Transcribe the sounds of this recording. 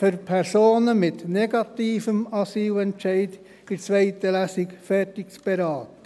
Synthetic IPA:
fʏɾpʰɛɾsoːnəmɪt̪nɛɡɑt̪iːfəmɑsiːlɛnt͡ʃɛɪd̥ | ɪt͡sʋɛɪt̪əlæsɪkfɛtɪkt͡sb̥eɾɑːt̪ə

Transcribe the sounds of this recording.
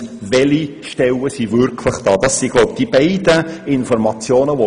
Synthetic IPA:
vɛli | ʃtɛlːəsivʏɾkʰləχd̥ɑːd̥ɑssiɡloʊb̚d̥ibɛɪdəɪnfɔɾmɑt͡sjoːnəʋo

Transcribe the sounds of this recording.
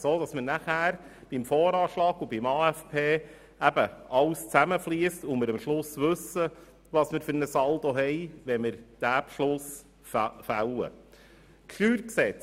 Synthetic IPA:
soːd̥̪ɑsmənæχæːɾ | b̥imfɔːɾɑːʃlɑːɡ̥ʊbimɑːæfpʰeː | æb̥əʔɑwst͡sæməfliəstʊməɾəmʃlʊsʋɵsə | ʋɑːsmɪɾfʏɾnəsɑld̪oɦɛjʋɛmɪɾd̥æpʃlʊs | fæ̰wə̰ | kʰχyːɾksɛt͡s

